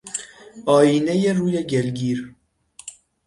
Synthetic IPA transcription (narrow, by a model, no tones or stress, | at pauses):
ʔɒːjiːnejeruːjeɟelɡiːɾ